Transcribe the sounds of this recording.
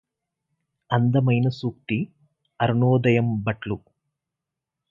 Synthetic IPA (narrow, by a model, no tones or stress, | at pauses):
ɐnd̪ɐmɐjnɐsuːk̚t̪i | ɐɾuɳoːd̪ɐjɐmbɐʈlu